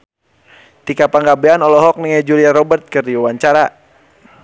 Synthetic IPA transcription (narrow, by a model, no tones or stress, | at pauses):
t̪ikapaŋɡabɛanɔlɔɦɔk̚niŋad͡ʒuliaɾɔbərt̪̚kɨrdiwawaɲt͡ʃaɾa